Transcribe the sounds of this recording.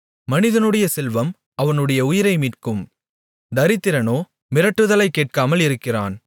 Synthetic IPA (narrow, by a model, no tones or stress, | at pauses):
mɐnɪðɐnɯɽɐjɐsɛlʋɐm | ʔɐʋɐnɯɽɐjɐʊjɪɾɐɪmiːʈkɯm | d̪ɐɾɪt̪ːɪɾɐnoː | mɪɾɐʈːɯðɐlɐɪkːeːʈ̚kaːmɐlɪɾɯkːɪraːn